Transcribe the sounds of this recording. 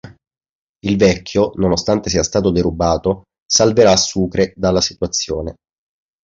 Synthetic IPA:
ilvɛkʰʲːjononost̪ant̪es̬iːast̪aːt̪od̪eɾubaːt̪o | salveɾasːuːkɾed̪alːasi̥t̪wat̪sːjoːne

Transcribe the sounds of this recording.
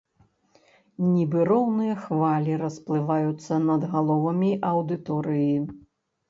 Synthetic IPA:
nʲibɨɾɔwnɨjɐxvalʲiɾɐsplˠɨvajut̪sːɐnɐd̪ɣalˠɔvɐmʲiʔɐwd̪ɨt̪ɔɾɨji

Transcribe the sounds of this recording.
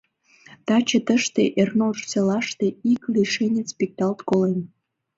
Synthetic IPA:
t̪ɑt͡ɕĕt̪əʃt̪eʔernolʃt͡selɑʃt̪eiklʲiʃenʲespʲik̚t̪ɑlt̪kolen

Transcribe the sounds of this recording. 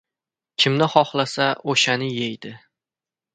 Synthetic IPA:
kʲʰɪmnɪχɒχlasaoʃanɪjejd̪ɪ

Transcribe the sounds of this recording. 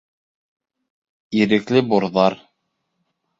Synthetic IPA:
iɾɘ̆klɘboɾðɑɾ

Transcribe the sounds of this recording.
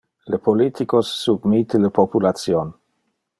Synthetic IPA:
lepolit̪ikosːubmit̪eləpopulat̪sjon

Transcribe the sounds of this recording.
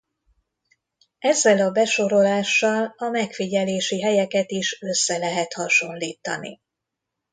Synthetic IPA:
ɛzːɛlɒbɛʃo̞ɾo̞laːʃːɒlɒmɛkfiɟɛleːʃiɦɛjɛkɛt̪iʃø̞sːɛlɛɦɛt̪hɒʃo̞nliːt̪ɒ̰nḭ

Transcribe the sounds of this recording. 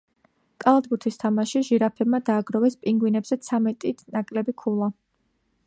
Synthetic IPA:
kʼalˠad̪̚buɾt̪ʰist̪ʰamaʃiʒiɾapʰɛbmad̪aːɡɾɔvɛspʼiŋɡwinɛbz̥ɛt̪sʰamɛt̪ʼinakʼlɛbikʰulˠa

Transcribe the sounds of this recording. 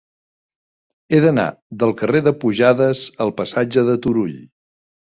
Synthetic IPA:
eðəna̰ðəlˠkəreðəpuʒaðəzəlˠpəsad͡ʒəðət̪uɾuʎ

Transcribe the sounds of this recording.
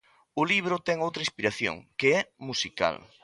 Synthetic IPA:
ʊliβ̞ɾʊt̪ɛŋowt̪ɾɐĩspiɾaθjo̰ŋkeɛmusika̰l

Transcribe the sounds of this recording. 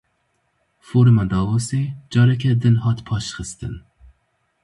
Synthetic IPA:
foːɾmɑd̪ɑːvosed͡ʒɑːɾɛkʲʰɛd̪ɨnɦɑːt̪pʰɑːʃχɨst̪ɨn

